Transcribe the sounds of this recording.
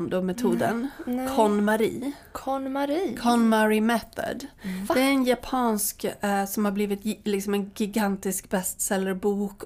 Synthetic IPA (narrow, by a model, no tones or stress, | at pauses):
md̪ɔmɛt̪ʰuːd̪ənkʰɔnmaɾḭː | kʰɔɾkʰɔnmaɾɪmɛθə̰d̪d̪ɛæɾɛnjapʰɑːnsksɔmhaɾbliːvɪt̪lɪksɔmɛnɡɪɡant̪ɪskbɛst̪sɛlːəɾbuːk